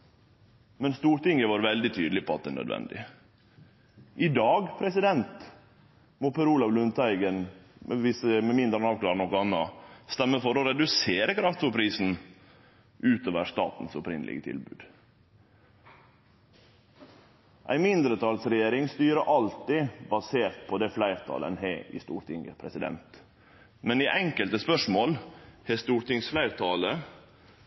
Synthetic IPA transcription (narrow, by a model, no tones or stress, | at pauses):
mɛnst̪uːɾʈ̪ɪŋːəʋɑːɾʋɛld̪ɪt̪ʰyːd̪l̩ɪpʰɔɑt̪̚d̪ɛnœ̰d̪ʋɛ̰nd̪ɪ̰ | ʔɪd̪ɑːɡpʰɾɛsɪd̪ɛnt̪ | moːpʰəɾuːlɑʋlʉnt̪ʰæɪɡənmɛʋɪsəmɛmɪnd̪ɾənɑʋklɑːɾnɔkːʊɑnːɑ̰st̪ɛmːəfɔɾoɾɛd̪ʉseːɾəkʰɾɑft̪fɔpʰɾiːsn̩ | ʔʉːt̪oːʋəʂt̪ɑ̰ːt̪n̩sɔpɾɪ̰nd̪lɪ̰ɡət̪ʰɪ̰lbʉ̰ːd̪̥ | ʔæ̰ɪmɪnd̪ɾət̪ʰɑːlsɾɛjeːɾɪŋst̪yːɾəʔɑlt̪ɪbɑseːɾt̪̚pʰɔd̪ɛflæɪɾt̪ʰɑ̰ːlə̰nɦɛɪ̰st̪ṵːɾt̪ʰɪŋɡə̰pʰɾɛsɪd̪ɛ̰nt̪ | mɛniʔɛŋkəlt̪əspœʂmoːlhɛst̪uːɾt̪ɪŋsflæɪɾt̪ʰɑːlə